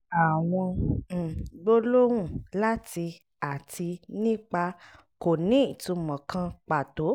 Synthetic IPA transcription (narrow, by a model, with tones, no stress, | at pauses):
a˨w̃ɔ̃˧˨ | ɡ͡bo˦lo˦wũ˦˨la˦ti˧ | a˨tʰi˧nĩ˦k͡pa˧ | ko˨nĩ˨˦i˨tũ˧˦mɔ̃˨kʰã˦˧k͡pa˨to˨˦